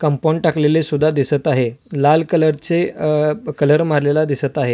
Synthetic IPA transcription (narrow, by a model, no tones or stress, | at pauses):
kəmpõɳʈaklelesud̪ʱːad̪isət̪aɦelalkələɾt͡se | kələɾmaɾlelad̪isət̪aɦe